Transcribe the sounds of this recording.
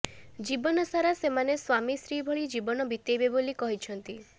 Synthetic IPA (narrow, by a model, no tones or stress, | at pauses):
d͡ʒibɔnɔsaɾasemaneswamisɾibʱɔɭid͡ʒibɔnɔbʱit̪ejbebolikɔɦit͡ʃʰɔnt̪i